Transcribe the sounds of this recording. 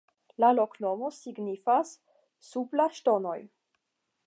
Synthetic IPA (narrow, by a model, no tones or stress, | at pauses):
lalokno̞mo̞siɡnifasː | uplaʃto̞noj